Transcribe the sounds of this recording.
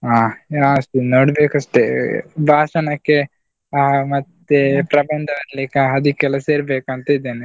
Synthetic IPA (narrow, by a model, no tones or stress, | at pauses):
aːaːɐst̪inoːɽbeːkɐʂʈebʱaːʃɐnɐkːe | mɐt̪ːepɾɐbɐnd̪ʱɐʋɐɾleːkɐɐd̪ikːɛlɐseːɾbeːkɐnt̪ɐid̪eːni